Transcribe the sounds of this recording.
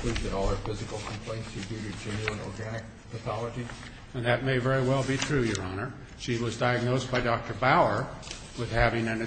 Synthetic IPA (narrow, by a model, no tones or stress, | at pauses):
l̥itɨ̃ɾɔlˠə˞fɪzɨkl̩ˠkʰm̩pʰl̥ẽɪ̃ntsɨbʉɾɨ˞d͡ʒẽnəə̃nɔɹɡænɨk̚ | pʰəθɑlˠəd͡ʒi | ɨ̃nðɨt̚meɪvɛɹiwɛlˠbiθɹʉjə˞ɑnə˞ | ʃiwʌzdaɪɨɡ̚noʊsb̥aɪdɑk̚tʰə˞baʊə˞ | wɪð̥hævɪ̃ŋɨ̃nɨ